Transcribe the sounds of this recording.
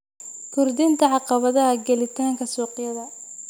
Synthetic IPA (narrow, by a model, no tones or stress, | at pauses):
kʰʊrd̪ɪnt̪ʰɐʕɑqɑβɐðɐɦɐɡɛlɪt̪ʰaːŋkʰɐsɔːqɪjɐðɐ